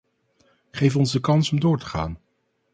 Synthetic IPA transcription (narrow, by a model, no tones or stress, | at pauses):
χejfɔnzdəkɑnsɔmdʊːɹtə̥χa̰ːn